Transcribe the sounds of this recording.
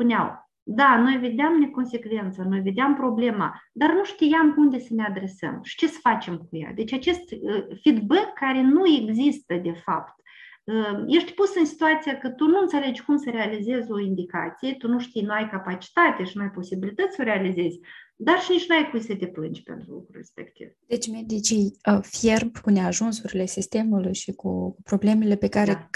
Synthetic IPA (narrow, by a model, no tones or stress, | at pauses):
spunʲa̰w | d̪ano̞jve̞d̪eamne̞ko̞nse̞kve̞nt̪səno̞jve̞d̪eampɾo̞ble̞ma̰d̪arnuʂt̪ijamund̪e̞səne̞ad̪ɾe̞sə̰mʃi̥t͡ʃe̞sə̥fat͡ʃe̞mkuja̰d̪e̞t͡ʃʲat͡ʃe̞st̪əfid̪bekːaɾe̞nue̞ɡzist̪əd̪e̞fa̰pt̪ | əje̞ʃt̪ʲpusɨnsi̥t̪uat̪sijakət̪unuɨnt̪sʲe̞le̞d͡ʒʲkumsəɾealize̞zʲo̞ind̪ika̰t̪sijet̪unuʃt̪ijnuajkapat͡ʃi̥t̪at̪e̞ʃinuajpo̞sibilit̪ət̪sʲsəɾe̞alize̞zʲd̪arʃinit͡ʃʲnuajpujsət̪e̞plɨnd͡ʒʲpe̞̰nt̪ɾṵlṵkɾure̞̰spe̞̰kt̪ḭvd̪̥e̞t͡ʃʲmed̪it͡ʃiəferbkuneaʒunsuɾile̞sist̪e̞mulujʃikupɾo̞ble̞mele̞pe̞kaɾe